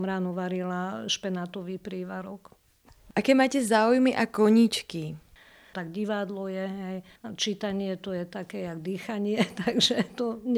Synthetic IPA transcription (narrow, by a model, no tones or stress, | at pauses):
mɾaːnuʋaɾilaʃpɛnaːt̪ɔʋiːpɾiːʋaɾɔk | ʔakɛːmaːcɛzaːujmiʔakɔɲit͡ʃki | t̪aɡɟiʋad̪lɔjɛɦɛj | t͡ʃiːt̪aɲɪɛt̪ɔjɛt̪akɛjaɡd̪iːxaɲɪɛt̪aɡʒɛt̪ɔɲ